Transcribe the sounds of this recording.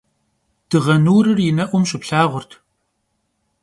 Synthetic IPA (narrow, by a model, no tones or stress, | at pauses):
d̥ɨʁɐnuːɾɨrjɪnɐʔʷʊmʃɪpɬaːʁʷʊrtʰ